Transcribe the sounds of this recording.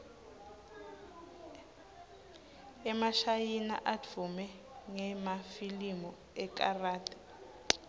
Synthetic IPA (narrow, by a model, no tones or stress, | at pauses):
ɛmaʃajina̰ʔatʰumɛ | ŋɛmafilimɔ | ɛkaraːtʼḁ